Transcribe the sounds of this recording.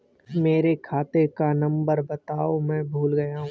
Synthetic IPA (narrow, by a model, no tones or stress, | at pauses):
meːɾekʰaːt̪ekanɐ̃mbəɾbɐt̪aːomɛ̃ːbʱuːlɡɐjaɦũ